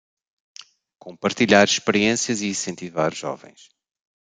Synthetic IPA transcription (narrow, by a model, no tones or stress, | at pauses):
kõmpɐɾt̪iʎaɾʃpɨɾiẽsjɐziĩsẽnt̪ivaɾʒɔ̰vɐ̰̃j̃ʃ